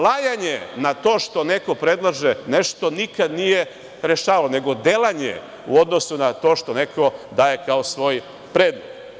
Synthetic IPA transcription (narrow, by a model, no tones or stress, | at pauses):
lajaɲenat̪o̞ːʃt̪o̞neko̞pɾe̞d̪lˠaʒeneʃt̪o̞nikad̪nije̞ | ɾeʃaːʋalo̞ne̞ɡo̞d̪elaɲḛ | ṵo̞d̪no̞sunat̪o̞ːʃt̪onekʰo̞d̪aːje̞kaosʋo̞ːj | pɾeːd̪med̪